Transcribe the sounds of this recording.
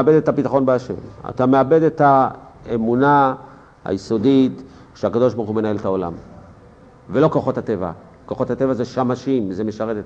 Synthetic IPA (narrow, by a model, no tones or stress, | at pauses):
abedetapitaχo̞nbeaʃḛma̰t̪ame̞abe̞de̞taemuna | ha̰jiso̞dit | ʃeakad̪oʃbaʁxume̞nae̞lethao̞la̰m | velo̞ko̞χo̞thate̞va̰ | ko̞χo̞thate̞vazeʃamaʃimzemeʃaʁetet